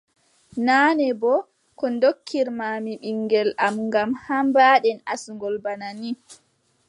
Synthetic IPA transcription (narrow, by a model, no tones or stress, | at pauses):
naːnɛbɔ | kɔndokʰːiɾmaːmiɓiŋːɡɛlamŋɡamhambaːɗɛnasuŋɡɔlbanani